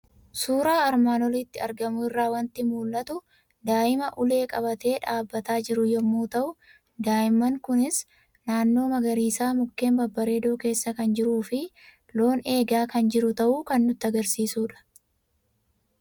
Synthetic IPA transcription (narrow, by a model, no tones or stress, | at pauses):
suːɾaːɐɾmaːnɔlɪt̪ːɪɐɾɡɐmʊɪrːaːwɐnt̪ɪmuːlːɐt̪ʊ | d̪aːʔɪmɐʔʊle̞ːkʼɐbɐt̪e̞ːᶑaːbːɐt̪aːd͡ʒɪɾʊjɔmːuːt̪ɐʔʊ | d̪aːʔɪmːɐŋkʊnɪs | naːnːo̞ːmɐɡɐɾiːsaːmʊkːe̞ːmbɐbːɐɾe̞ːd̪o̞ːke̞ːsːɐkɐnd͡ʒɪɾuːfɪ | lo̞ːne̞ːɡaːkɐnd͡ʒɪɾʊt̪ɐʔuːkɐnːʊt̪ːɐɡɐɾsiːsuːᶑɐ̥